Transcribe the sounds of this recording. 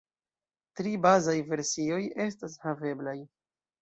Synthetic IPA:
tɾibazajve̞ɾsio̞je̞s̬tashave̞blaj

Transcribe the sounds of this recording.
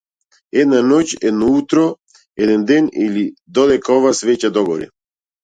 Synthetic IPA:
ɛd̪nanɔcɛd̪nɔut̪ɾɔ | ɛd̪ɛnd̪ɛnilid̪ɔd̪ɛkaɔvasvɛcad̪ɔɡɔɾḭ

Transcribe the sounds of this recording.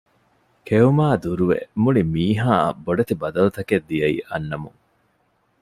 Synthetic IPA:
kʰeumaːd̪uɾuʋḛmuɭimiːɦa̰ːboɖɐt̪ibɐd̪ɐlut̪ɐked̪ːijɐḭʔɐnːɐmuŋ

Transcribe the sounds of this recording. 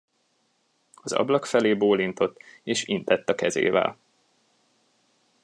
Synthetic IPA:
ɒzɒ̰blɒkfɛleːboːlint̪o̞t̪ːeːʃint̪ɛt̪ːɒkɛzḛːvɛ̰l

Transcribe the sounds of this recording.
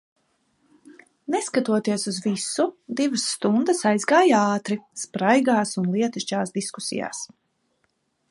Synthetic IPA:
nɛskat̪uɔt̪iɛsuzvisud̪ivəsːt̪und̪əsajzɡaːjaːt̪ɾispɾajɡaːsunlˠiɛt̪iʃt͡ʃaːsd̪isku̥sḭja̰ːs

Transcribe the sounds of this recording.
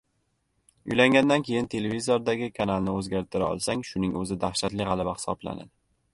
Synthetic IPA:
ʊ̰jlaŋɡʲand̪ankʲʰe̞jɪnt̪ʰe̞levizoɾd̪aɡʲɪkʰanalnɪɵzɡʲaɾt̪ʰɪɾaɒ̰lˠsaŋʃʊnɪŋɵzɪd̪aχʃat̪lɪʁɑlˠabahɪ̥sɒ̰bla̰na̰d̪ɪ

